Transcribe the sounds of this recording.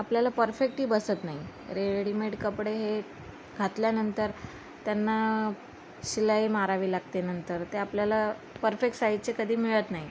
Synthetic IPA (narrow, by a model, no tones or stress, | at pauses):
apljalapəɾfek̚ʈɦiːbəsət̪naɦi | ɾeɽimeɖkəpɽeɦe | ɡʱat̪ljanənt̪əɾ | t̪janːa | ɕilaimaɾaʋiːlaɡ̚t̪enənt̪əɾt̪eapljala | pəɾfek̚ʈsait͡sekəd̪ʱiːmiɭət̪naɦi